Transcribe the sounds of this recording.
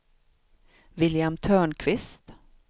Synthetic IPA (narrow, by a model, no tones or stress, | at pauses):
vɪljamt̪ʰœːɳkʰvɪst̪